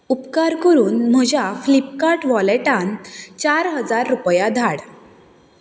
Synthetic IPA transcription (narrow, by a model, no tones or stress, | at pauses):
upkaɾkəɾuːnm̤əd͡ʑaflipkaɾʈʋɔleʈãnt͡ɕaɾɦəd͡zaɾːupjad̪ʱaɽ